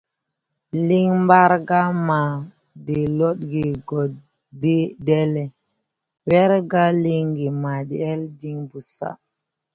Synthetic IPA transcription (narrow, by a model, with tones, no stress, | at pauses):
li˦ŋmba˦ɾɡa˦ma˨ | de˨lɔ˦t̚ɡe˨ɡɔ˨ | de˦dɛ˦lɛ˨ | wɛ˦ɾɡa˦li˦ŋɡi˨ma˨de˨ɛ˦ldi˦ŋbu˨sa̰˦